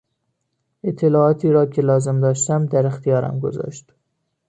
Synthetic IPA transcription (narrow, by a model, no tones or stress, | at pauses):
e̞t̪ʰːe̞lɒːɒːt̪ʰiːɾɒːcʰe̞lɒːze̞md̪ɒːʃt̪æmd̪æɾext̪ijɒːɾæ̰mɡo̞̰zɒ̰ːʃt̪